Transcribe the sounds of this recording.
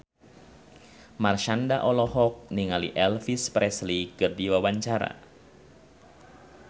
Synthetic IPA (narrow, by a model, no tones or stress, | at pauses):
marʃandaʔɔlɔhɔk̚niŋalḭʔɛlfispɾɛslikɨrdiwawaɲt͡ʃaɾa̰